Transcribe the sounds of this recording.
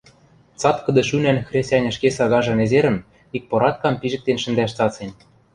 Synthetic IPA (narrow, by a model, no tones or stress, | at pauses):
t͡sɑt̪kɤ̆d̪ɤ̆ʃynænxrʲestʲɑnʲɤ̆ʃkesɑɣɑʒɤ̆nezeɾə̆n | ik̚poɾɑt̪̚kɑmpiʒɘ̆k̚t̪enʃə̆nd̪æʃt͡sɑt͡senʲ